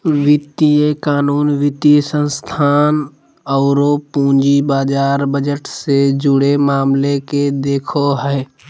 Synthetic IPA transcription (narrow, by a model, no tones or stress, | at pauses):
ʋɪt̪iekaːnuːnʋɪt̪isə̃nst̪ʰaːn | ɔːɾopũːd͡ʒibaːd͡ʒaːɾbəd͡ʒəʈsed͡ʒʊɽemaːmleked̪eːkʰoɦɛː